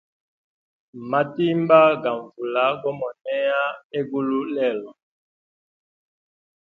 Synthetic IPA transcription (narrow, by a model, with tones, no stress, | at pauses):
ma˨ti˦mba˦ɡa˨ɱvu˨la˦ɡɔ˦mɔ˨nɛ˦a˦e˦ɡu˦lu˦lɛ˦˨lɔ˨